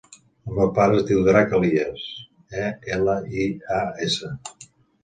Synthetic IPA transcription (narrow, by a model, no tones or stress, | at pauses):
rəpaɾəzd̪iwðɾakəlies | ɛeləiaesə